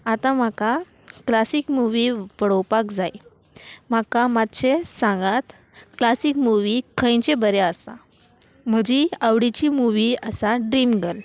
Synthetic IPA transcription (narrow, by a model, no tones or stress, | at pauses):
at̪ãm̤aka | klasikmuʋipəɽowpakd͡zaj | m̤akamat̪ɕesãŋɡat̪ | klasikmuʋikʰə̃jt͡ɕebəɾeəsa̰ | m̤əd͡ʑiaʋɽit͡ɕimuʋiəsaɖɾimɡəl